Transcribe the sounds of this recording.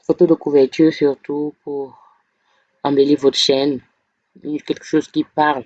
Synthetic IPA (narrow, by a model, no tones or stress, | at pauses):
fot̪od̪əkuvɛʁt̪yʁsyʁt̪upʰuʁ | ɑ̃belevot̪ʁʃɛn | ynkʲɛlkə̥ʃozkʲipaʁl